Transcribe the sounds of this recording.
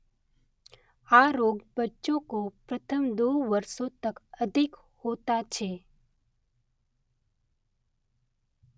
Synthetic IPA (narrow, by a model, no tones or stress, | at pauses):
aːɾoːɡbətːʃõkopɾət̪ʰəmd̪oːʋəɾsõt̪əkəd̪ʱɪk | hoːt̪at͡ʃʰeː